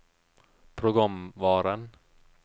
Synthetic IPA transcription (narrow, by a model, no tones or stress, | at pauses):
pʰɾʊɡɔmvɑːɾan